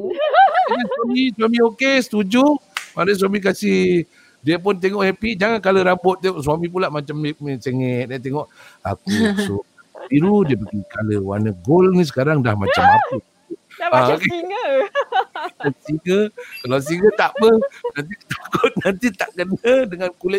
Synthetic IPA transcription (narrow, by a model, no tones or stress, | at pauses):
aniswamiswamiokesə̥t̪ud͡ʒʊmanəs̬wamik̬asɪh | diəp̬ʊnt̪eŋɔʔhepiʔd͡ʒaŋankaləɾabʊt̪̚ːeŋɔʔsuamip̬ulaʔmat͡ʃamseŋɛt̪̚dat̪eŋɔʔa̰kuso | biɾudiəpəɡikaləwa̰nəɡolnis̬ə̥kaɾaŋdahma̰t͡ʃamaku | ake | lasiŋəkalasiŋɡət̪aʔbəhnant̪ikə̥t̪ḁkʊt̪̚nant̪it̪aʔkənədəŋankulɪt̪̚